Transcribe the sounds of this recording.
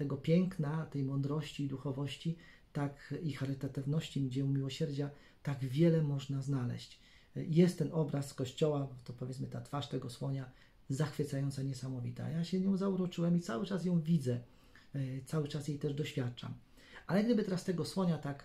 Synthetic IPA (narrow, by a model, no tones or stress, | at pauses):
t̪ɛɡɔpʲjɛŋknat̪ɛjmɔnd̪ɾɔɕt͡ɕiːd̪uxɔvɔɕt͡ɕi | t̪akixaɾɘt̪at̪ɘvnɔɕt͡ɕiɡd͡ʑɛjũw̃mʲiwɔɕɛɾd͡ʑa | t̪aɡvʲjɛlɛmɔʐnaznalɛ̰ɕt͡ɕ | jɛst̪ːɛnɔbɾaskɔɕt͡ɕɔwat̪ɔpɔvjɛt̪smɘt̪at̪faʂt̪ɛɡɔswɔɲa | zaxfɘt̪sajɔnt̪saɲɛsamɔvʲit̪a̰a̰jaɕɛɲɔ̃w̃zauɾɔt͡ʂɘwɛmit̪sawɘt͡ʂas̬jɔ̃w̃vʲid̪zɛ | t̪sawɘt͡ʂasjejt̪ɛʐd̪ɔɕfʲjat̪̚t͡ʂa̰m | ʔalɛɡd̪ɘbɘɪt̪ɛɾast̪ɛɡɔswɔɲat̪ak